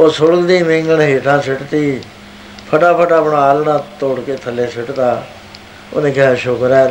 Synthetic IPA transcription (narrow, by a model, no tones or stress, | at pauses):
oːsʊɽəld̪iːmɪ̃ŋɡəɳɦeːʈʰãːsɪʈt̪iː | pʰəʈaːpʰəʈaːpɳãːaːlnãːt̪oːɽkeːt̪ʰəleːsɪʈt̪aː | o̰ːnẽːkaːʃoːkəɾɛː